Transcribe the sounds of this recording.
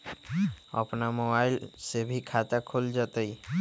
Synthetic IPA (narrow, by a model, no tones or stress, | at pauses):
ə̰pnamobaːɪlsebʱikʰat̪akʰoːld͡ʒaːt̪ai